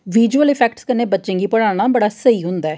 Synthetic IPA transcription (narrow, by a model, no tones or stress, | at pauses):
ʋiːd͡ʒuəlɪpʰɛːkʈskəneːbətːʃẽŋɡiːpəɽ̃aːɽ̃aːbəɽaːsəiːɦʊ̃nd̪aɛː